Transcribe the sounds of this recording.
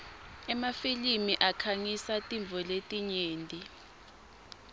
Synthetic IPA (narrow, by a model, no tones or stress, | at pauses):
ɛmafilimiʔakʰaŋisatʼiɱb̪vʱɔletʼiɲeːntʼi